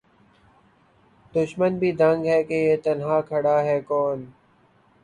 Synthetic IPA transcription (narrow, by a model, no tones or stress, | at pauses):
d̪ʊʃmənbʱiːd̪ə̃ŋɡɦɛːkejeːt̪ɐnɦaːkʰɐɽaːɦɛːkɔːn